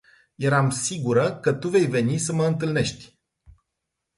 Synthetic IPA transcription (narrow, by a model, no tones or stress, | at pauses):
je̞ɾamsiɡuɾəkət̪uve̞jve̞nisəməɨnt̪ɨlne̞ʃt̪ʲ